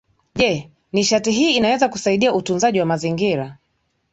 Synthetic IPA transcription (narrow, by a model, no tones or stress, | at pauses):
ʄɛ | niʃatiɦiːnawɛzakusaiɗiautunzaʄiwamaziŋɡiɾa